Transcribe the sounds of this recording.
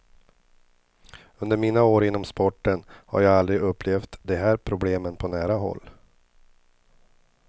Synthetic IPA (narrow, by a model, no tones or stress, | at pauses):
ɵnd̪əɾmiːnaoːɾɪnːɔmspɔʈːənha̰ɾjɑːɡald̪ɾɪɡɵpʰːleːft̪d̪ɛɦæːɾpʰɾʊbleːmənpʰɔnæːɾaɦɔ̰lː